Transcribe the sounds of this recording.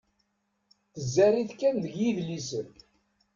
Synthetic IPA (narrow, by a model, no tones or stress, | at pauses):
θəzːæriθkːænðəɡjiðlisən